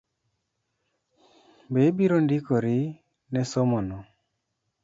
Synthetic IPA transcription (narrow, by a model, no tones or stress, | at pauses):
bebiɾondikoɾi | nɛsomɔnɔ